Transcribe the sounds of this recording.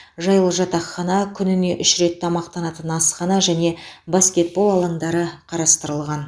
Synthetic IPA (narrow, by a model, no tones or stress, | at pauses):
ʒɑjəlˠəʒɑt̪ɑqχɑnɑkʲʰʏnɪne̞ʔʏʃɾe̞t̪ːʰɑmɑqt̪ɑnɑt̪ənɑsχɑnɑʒæne̞baskʲe̞t̪̚bo̞lˠɑlˠɑɴd̪ɑɾəqʰɑɾɑst̪əɾəlˠʁɑn